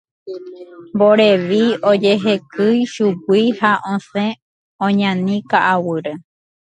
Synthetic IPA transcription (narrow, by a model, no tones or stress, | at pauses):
mboɾeʋiod͡ʒeɦe̞kɨjʃuɡʷihaʔõsẽ | õɲãnĩkaʔawɨɾe